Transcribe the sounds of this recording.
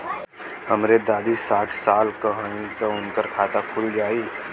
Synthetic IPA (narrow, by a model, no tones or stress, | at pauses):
həmɾed̪aːd̪isaːʈʰsaːlkəɦə̃ĩt̪oʊnkəɾkʰaːt̪akʰʊld͡ʒaːiː